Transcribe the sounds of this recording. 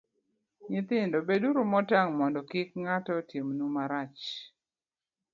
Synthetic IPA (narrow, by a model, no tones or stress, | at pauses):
ɲɪt̪ɪndɔbeduɾumɔtaŋmɔndɔkɪk̚ŋatɔtjemnumaɾat͡ʃ